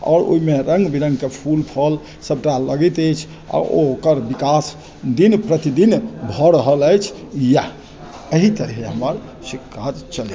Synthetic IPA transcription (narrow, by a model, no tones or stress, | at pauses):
ɔ̰ːɾo̰imeɾəŋɡbiɾə̃ŋɡkepʰulpʰəl | səb̚ʈaləɡit̪əjt͡ʃʰ | a̰okəɾbikas | d̪inpɾət̪id̪inbʱɔɾəɦələjt͡ʃʰja | əɦit̪əɾiɦeɦəməɾ | sikːaɾt͡ʃəli